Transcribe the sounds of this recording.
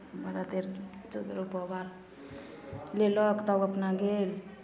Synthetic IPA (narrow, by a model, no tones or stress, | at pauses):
baɾat̪eɾt͡ʃud̪ɾopɔbaɾ | lelɔkt̪awapnaɡel